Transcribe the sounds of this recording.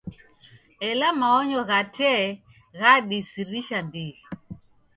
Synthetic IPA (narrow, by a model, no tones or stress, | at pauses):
ɛlamaɔɲɔɣatʰɛ | ɣaɗisiɾiʃandiɣi